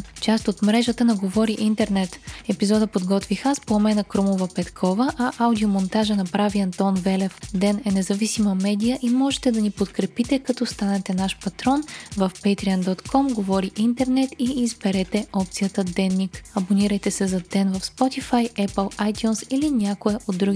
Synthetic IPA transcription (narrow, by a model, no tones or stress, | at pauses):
t͡ʃast̪ot̪mɾɛʒət̪ənɐɡovɔɾiʔint̪ɛɾnɛt̪ɛpizɔd̪əpod̪ɡɔt̪vixaspoːmɛnəkɾomovəpɛt̪kʰɔvəʔɐʔawd̪iomont̪aʒənɐpɾaviɐnt̪ɔnvɛlɛfd̪ɛnɛnɛzɐvisiməmɛd̪ijəʔimɔʒɛt̪ɛd̪ɐnipot̪kɾɛpit̪ɛkɐt̪ɔst̪anɛt̪ɛnaʃpɐt̪ɾɔnvəfpɛt̪ɾiənd̪ɔt̪kʰɔmɡovɔɾiʔint̪ɛɾnɛt̪iːzbɛɾɛt̪ɛɔpt̪sijət̪əd̪ɛnːikɐboniɾəjt̪ɛsɛzɐd̪ɛnvɐfspɔt̪ifajɛpəlˠajt̪ʲjunsilinʲakoɛʔod̪ːɾuɡʲi